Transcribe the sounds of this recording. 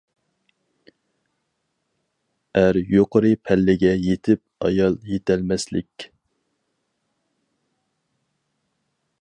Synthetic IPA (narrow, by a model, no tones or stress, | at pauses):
æɾjoqəɾɨpʰɛlːɪɡʲɛjet̪ʰɪp̚ɑ̰jɑlˠjet̪ʰɛlmɛslɪ̰kʲ